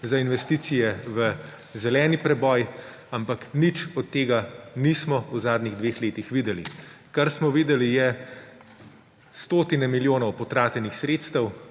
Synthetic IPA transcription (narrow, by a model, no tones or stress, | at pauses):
zainʋɛst̪iːt̪sijɛʋə | zɛlɛːnipɾɛbɔːj | ampaknit͡ʃɔt̪ːeːɡanismɔuzaːd̪niɣd̪ʋeːxleːt̪ixʋiːd̪ɛlḭ | kaɾsmɔʋiːd̪ɛlijɛ | st̪oːt̪inɛmiljoːnɔwpɔt̪ɾaːt̪jɛnixsɾeːt̪st̪əw